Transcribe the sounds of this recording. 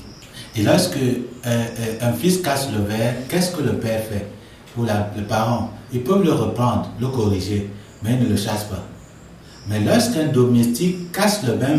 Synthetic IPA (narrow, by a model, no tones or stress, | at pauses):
elɔskə | ɛ̃fiskaʃləvɛːʁkɛskələpɛːʁfɛ | pulalepaʁɑ̃ilpøvləʁəpɾɑ̃nd̪ʁləkoʁiʒe | mɛinələʃaʃpa | mɛlɔʁskɛ̃d̪omestikːaʃləbɛ̃